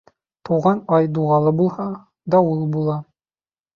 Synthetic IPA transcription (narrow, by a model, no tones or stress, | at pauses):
t̪uʁɑnɑjd̪uʁɑlˠɤbulˠhɑ | d̪ɒwulˠbulˠɑ